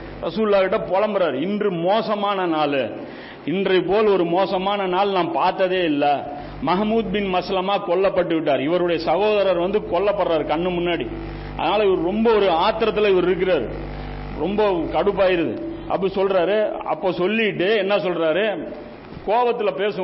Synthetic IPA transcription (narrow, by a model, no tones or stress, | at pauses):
ɾɐsuːllaːɣɪʈːɐpɔlɐmbɐɾaːɾɯɪndrɯmoːsɐmaːnɐnaːlɯ | ɪndrɐɪpoːlɔɾɯmoːsɐmaːnɐnaːlnãːmpaːɾt̪ːɐðeːɪlːɐ | mɐɣɐmuːd̪̚bɪnmɐsɐlɐmaːkɔɭːɐpːɐʈːɯʋɪʈ̬ːaːɾɪʋɐɾɯɽɐjɐsɐɣoːðɐɾaɾʋɐnd̪ɯkɔɭːɐpːɐɽɾaːɾɯkɐɳːɯmʊnːaːɽi | ɐ̰ðɐnaːlɐɪʋɐɾɯɾɔmbɐɔɾɯaːt̪ːɪɾɐt̪̬ːɪlɐɪʋɐɾɪɾɯk̬ːɪɾaːɾɯ̰ | ɾɔmbɐkɐɽɯpːaːjɪɾɐðɯ̰ | ʔɐ̰p̬ːɐɽisɔlrɾaːɾɯɐ̰pːoːsɔlːɪʈːɯɛnːɐs̬ɔlraːɾɯ | koːʋɐt̪ːɪlɐpeːsɯ